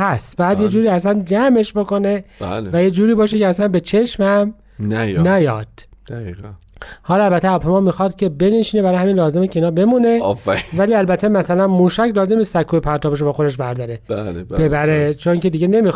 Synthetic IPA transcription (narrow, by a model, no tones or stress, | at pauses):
hæsbæjæd̪jed͡ʒuːɾiːæsænd͡ʒæme̞ʃbo̞ko̞ne̞ba̰lvæjed͡ʒuːɾiːbɒːʃ̬eceæsænbe̞t͡ʃʰe̞ʃmhæm | njnæjɒd̪̥ | d̪̥æi | hɒːlɒælbæt̪ʰːeæpʰemɒːmixɒːd̪̥cʰe̞beneʃiːnebæɾːjhæmiːnlɒːze̞mecʰeiːnhɒːbe̞mune̞fvæliːælbæt̪ʰːemæsælænmuːʃæcʰlɒːzemnist̪sækʰːuːjepʰæɾt̪ʰɒːbeʃ̬obɒːxod̪eʃ̬bæɾd̪ɒɾealb̥e̞bæɾet͡ʃʰoŋcʰe̞d̪iːɟe̞ne̞mix